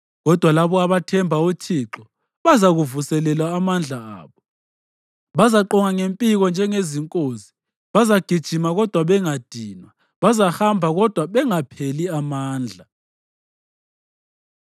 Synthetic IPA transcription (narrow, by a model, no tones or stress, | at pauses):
ɣɔd̥ʱwalaβɔaβatʰɛmbʱautʰiːǁɔ | βazaɣuvusɛlɛlwaːmand͡ɮʱaa̰ːβɔ | βazaǃɔŋaŋempʼiɣɔnd͡ʒʱɛŋeziŋkʼoːzi | βazaɡ̥ʱid̥ʒ̥ʱimaɣɔd̥ʱwaβɛŋad̥ʱiːnwa | βazahambʱaɣɔd̥ʱwaβɛŋapʰeliamaːnd͡ɮʱa